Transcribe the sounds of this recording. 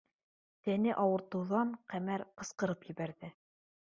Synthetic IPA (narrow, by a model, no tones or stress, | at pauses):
t̪ænɘʔɑwɤ̆ɾt̪ɤ̆wðɑɴqæmæɾqɤ̆sqɤ̆ɾɤpjɘ̆βæɾðɘ